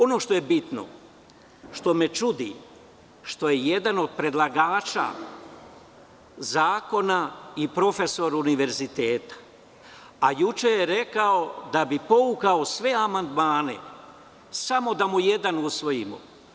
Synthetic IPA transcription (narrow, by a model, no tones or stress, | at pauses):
o̞no̞ʃt̪o̞jebit̪no̞̰ | ʃt̪o̞me̞t͡ʃud̪i | ʃt̪o̞je̞je̞d̪ano̞d̪̚pɾe̞d̪lˠaɡaːt͡ʃa̰ | zaːko̞naipɾo̞fe̞so̞ɾuniʋe̞ɾzit̪eːt̪ḁ | ajut͡ʃejeɾe̞kao̞d̪abipo̞ukao̞sʋe̞amand̪maːne̞̰ | samo̞d̪amuje̞d̪anusʋo̞jimo̰